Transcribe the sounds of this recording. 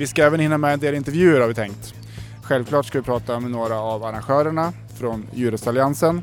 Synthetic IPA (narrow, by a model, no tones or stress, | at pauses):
vɪskaɛːvənhɪnːamɛɛnd̪eːlɪnt̪ɛvjʉ̟ːəɾhaɾvɪt̪ʰɛŋkt̪ | ɧɛlvkʰlɑːʈskavɪpʰɾɑːt̪amɛnoːɾaːvaɾanɧœːɾəɳa | fɾɔnjʉːɾəsalɪansən